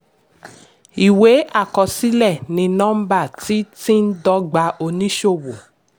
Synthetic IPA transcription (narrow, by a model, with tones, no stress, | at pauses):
i˨we˨˦ʔa˦˨kɔ˧si˦lɛ˦˨nĩ˧nɔ̃˦m̩˦ba˦˨ti˦tĩ˦n̩˦dɔ˦ɡ͡ba˧o˧nĩ˦ʃo˦˨wo˨